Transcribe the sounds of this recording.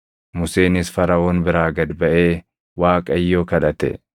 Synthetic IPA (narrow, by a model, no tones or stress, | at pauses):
mʊse̞ːnɪsfɐɾɐoːnbɪɾaːɡɐd̪bɐʔe̞ː | waːkʼɐjːoːkɐᶑɐt̪ɛ̰